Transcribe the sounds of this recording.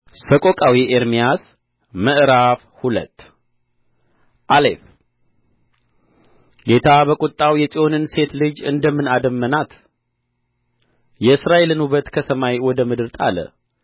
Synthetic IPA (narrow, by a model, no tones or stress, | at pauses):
səkʼokʼawiʔeɾmijas | məʔɾafhulə̰t̪ː | ʔalḛf | ɡe̞t̪ʰabəkʼʊt̪ʼːawjɛsʼio̞nɨnse̞t̪lɨd͡ʒɨ̰nd̪əmːɨnad̪əmːənat̪ | jɛɨsɾae̞lɨnuβət̪kʰəsəmajwɔd̪əmɨd̪ɨɾt̪ʼa̰lə̰